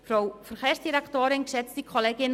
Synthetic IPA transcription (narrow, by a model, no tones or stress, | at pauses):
frowfərχeːrsdiɾaktoːɾɪnksɛt͡sd̥ikʰoleːɡɪn